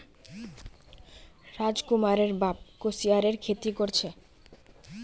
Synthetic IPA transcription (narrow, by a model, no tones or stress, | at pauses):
ɾad͡ʑkumaɾeɾbab̚kosiaɾeɾkʰet̪ikoɾt͡ɕʰe